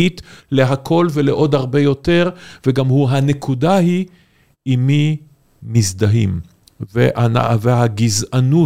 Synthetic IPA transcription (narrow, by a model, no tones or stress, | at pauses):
it̪le̞ɦakʰo̞lveleʔo̞d̪aʁbe̞jo̞t̪e̞ʁveɡamhuɦanekʰudahi | imi | mizd̪aɦḭm | veʔana̰veaɡizanu